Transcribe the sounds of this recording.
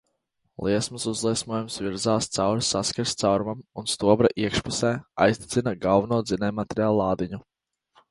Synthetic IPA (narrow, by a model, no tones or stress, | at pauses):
lˠʔiɛsmɨsuzlˠiɛsmuɔjumsviɾzaːst̪sawɾsːaskaɾst̪sawɾmamunst̪uɔbɾaʔiɛkʃpusɛːa̰jst̪i̥t̪sinaɡalˠvunuɔd̪zinɛːmat̪ʲɾʲjaːlˠːɑːd̪iɲu